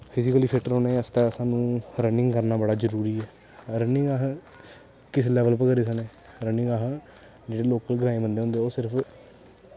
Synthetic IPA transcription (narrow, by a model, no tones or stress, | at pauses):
pʰɪsikəliːpʰɪʈəɾoːnaːiəst̪aːəsãːnũːɾənɪ̃ŋɡkəɾnaːbəɽaːd͡ʒəɾuːɾiːɛː | ɾənɪ̃ŋɡaɦ | kɪs̬lɛːʋəlpəkəɾiːs̬əneː | ɾənɪ̃ŋɡaɦ | d͡ʒeːɽeːloːkəlɡəɾaːẽːbənd̪eːõːnd̪eːoːsɪɾəpʰ